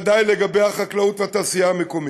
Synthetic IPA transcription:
d̪ajleɡabe̞jhaχaklaut̪vat̪aːsiaːmekom

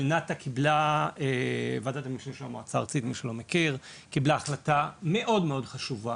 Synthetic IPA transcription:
lnat̪akʰiblaevad̪at̪amiʃneʃamoat͡sa̰ʁt͡sit̪miʃelo̞mekiʁkiblaaχlatame̞ʔo̞dmeo̞dχaʃuva

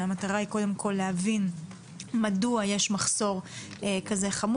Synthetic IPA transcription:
amat̪aʁahiko̞de̞mkʰo̞lːehavin | maduaje̞ʃmaχso̞ʁekaze̞χam

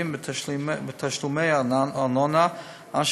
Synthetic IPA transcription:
imbbɪt̪ʰaʃlumeɪanɔna | anʃ

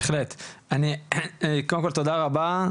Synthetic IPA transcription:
exlet̪ʔani | kolemkolt̪od̪aʁaba

